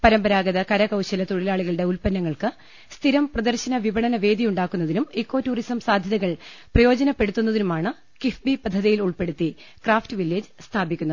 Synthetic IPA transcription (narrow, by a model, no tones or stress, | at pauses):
pɐɾɐmbɐɾaːɡɐðɐkɐɾɐkɐwɕɐlɐt̪oɽilaːɭiɣɐɭɨɽe̞ulpɐnːɐŋːɐɭkɨ | st̪ʰiɾɐmprɐd̪ɐrɕɐnɐʋibɐɳɐnɐʋe̞ːd̪ijuɳɖaːkːunːɐðinumekːo̞ːtːuːrisɐmsaːd̪ʱjɐðɐɣɐɭprɐjo̞ːd͡ʑɐnɐpːe̞ɽut̪ːunːɐðinumaːɳɨ | kifbipɐd̪ʱːɐðijiluɭpe̞ɽut̪ːi | kraːftɨʋilːeːd͡ʑɨst̪ʰaːbikʲːunːɐ